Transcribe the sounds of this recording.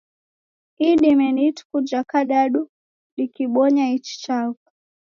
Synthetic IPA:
iɗimɛnitkud͡ʒakaɗaɗu | ɗikiɓɔɲait͡ʃi̥t͡ʃakḁ

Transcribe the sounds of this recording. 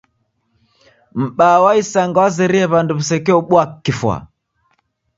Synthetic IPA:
m̩ɓaːwaisaŋɡawazɛɾiɛβanduβusɛkɛɔɓwakːifwa̰

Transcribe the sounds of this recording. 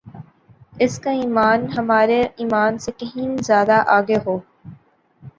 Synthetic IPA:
ɪskaiːmaːnɦɐmaːɾeiːmaːnsekɐɦĩnzjaːd̪aʔaːɡeɦoː

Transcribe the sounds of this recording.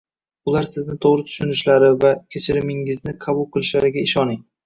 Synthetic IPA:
ʊlˠaɾsɪznɪt̪ʰoʁɾɪt̪ʰʊ̥ʃʊnɪʃlaɾɪvakʲʰet͡ʃʰɪɾɪmɪŋɪznɪqʰɑbʊlˠqʰɨlˠɪʃlaɾɪɡʲaɪʃɒnɪŋ

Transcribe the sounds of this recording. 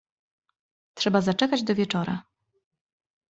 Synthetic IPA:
tʂɛbazat͡ʂɛkad͡ʑd̪ɔvʲjɛt͡ʂɔɾa̰

